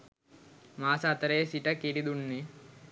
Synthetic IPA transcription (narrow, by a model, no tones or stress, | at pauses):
maːsat̪ɐɾeːsiʈɐkiɾid̪uɳːi